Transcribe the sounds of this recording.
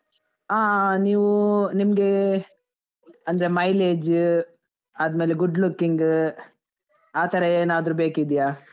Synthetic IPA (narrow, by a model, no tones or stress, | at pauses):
aːniːʋunimɐɡe̞ | ɐnd̪ɐɾemɐjleːd͡ʒ | ɐd̪meːleɡuɖlukːiŋɡ | aːt̪ɐɾeeːnaːd̪ɾuːbeːkid̪ijaː